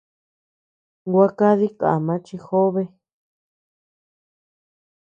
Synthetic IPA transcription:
ɡʷa˧˦ka˦ði˦ka̰˨ʔa˨mã˨˦t͡ʃi˧xo˦βe˧

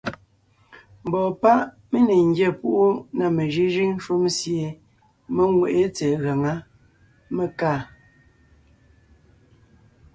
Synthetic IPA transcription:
m̩˨bɔː˨pa˦ʔ | me˦ne˨ŋ̩˦ɡjɛ˦˨pu˦ʔu˦na˨me˨ʒi˦ʒi˦ŋn˦ʃu˦msje˨ | me˦ŋwe˨ʔe˦t͡seː˨ɣa˨ŋa˦ | me˨kaː˦˨

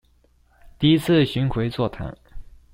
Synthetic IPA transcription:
t̪i˥˧i˥t͡sʰɹ̩˥˩ɕy˧˥nxʰwe˧˥ɪt͡swɔ˥˩t̪ʰa̰˧˥n

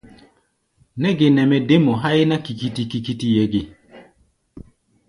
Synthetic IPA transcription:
nɛ˦ɡɪ˨nɛ˨mɛ˦de˦mɔ˨ɦa˦ɪ˦na˦ki˨ki˦ti˦ki˦ki˦ti˦je˦ɡɪ˦

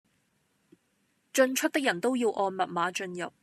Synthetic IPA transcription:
t͡ʃɵ˧nt͡ʃʰɵ˥t̚t̪ɪ˥k̚jɐ˨˩nt̪o˥wjiː˧wʔɔː˧nmɐ˨t̚maː˨˥t͡ʃɵ˧njɐ˨˩p̚

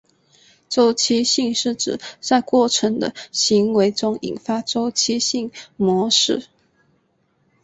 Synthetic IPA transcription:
ʈ͡ʂo˥ʊt͡ɕʰi˥ɕi˥˧ŋʂɻ̩˥˩ʈ͡ʂɻ̩˨˩t͡sa˥˧ɪkwɔ˥˩ʈ͡ʂʰɤə˧˥ŋd̪ə̰˧ɕi˧˥ŋwe˧˥ɪʈ͡ʂʊ˥ŋḭ˨˩nfa˥ʈ͡ʂo˥ʊt͡ɕʰi˥ɕi˥˩ŋmwɔ˧˥ʂɻ̩˥˩˨

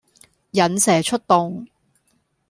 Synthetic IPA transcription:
jɐ˨nsɛː˨˩t͡ʃʰɵ˥t̚t̪o˨˧ŋ

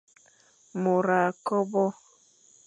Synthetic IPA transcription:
mo˨ɾa˨kɔ˦bɔ˦

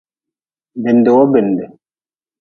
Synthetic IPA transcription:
bɛ˨ndɛ˨wɔ˦bɛ˨ndɛ˨

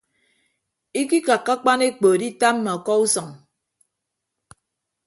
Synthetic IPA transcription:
i˦ki˦ka˨kːa˦k͡pa˦ne˦k͡poː˨di˦ta˦m̩˦ma˨kɔ˦u˦sɔ˨ŋ

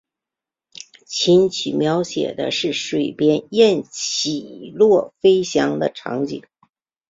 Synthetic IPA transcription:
t͡ɕʰi˧˥nt͡ɕʰi˨˩mjɑ˧˥ʊɕjɛ̰˨˩d̪ə̰˦ʂɻ̩˥˩ʂwe˨˩ɪpjɛ˥njɛ˥˩nt͡ɕʰi˨˩lwɔ˥˩fe˥ɪɕjɑ˧˥ŋd̪ə̰˧ʈ͡ʂʰɑ̰˧˥ŋt͡ɕḭ˨˩˦

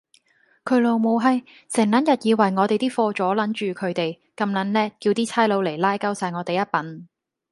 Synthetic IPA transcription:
kʰɵ˨˧ɥlo˨˧wmo˨˧wɦɐ˨˧j | sɪ˨˩ŋlɐ˨˥njɐ˨t̚jiː˨˧wɐ˨˩jŋɔː˨˧t̪e˨jt̪iː˥fɔː˧t͡ʃɔː˨˥lɐ˨˥nt͡ʃyː˨kʰɵ˨˧ɥt̪e˨j | kɐ˧mlɐ˨˥nlɛː˥kːi˧wt̪iː˥t͡sʰaː˥jlo˨˧wle˨˩jlaː˥jkɐ˥wsaː˧jŋɔː˨˧t̪e˨jɐ˥t̚pɐ˨˥n

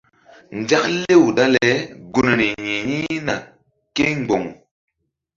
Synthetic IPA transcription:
n˨d͡ʒa˦kle˦˨wda˦lɛ˨ɡu˨n˨ɾi˨ɲĩ˨ɲi˦na˨ | ke˦ŋ˨ɡ͡bo˨ŋ

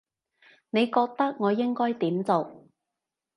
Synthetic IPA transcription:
ne˨˧jkɔː˧k̚t̪ɐ˥k̚ŋɔː˨˧jɪ˥ŋkɔː˥jt̪iː˨˥mt͡so˨w

